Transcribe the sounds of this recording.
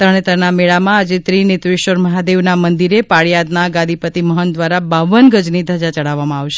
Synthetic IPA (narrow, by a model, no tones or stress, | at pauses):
t̪ɾəɳ̃et̪əɾnameɭamãad͡ʒet̪ɾinɪt̪ʋɪʃʋəɾməɦad̪eʋnamənd̪iɾepaɭjad̪naɡãd̪ʱipət̪iməɦənd̪ʋaɾabaʋənɡəd͡ʒnid̪ʱəd͡ʒat͡ʃəɽaʋːamãaʋʃe̥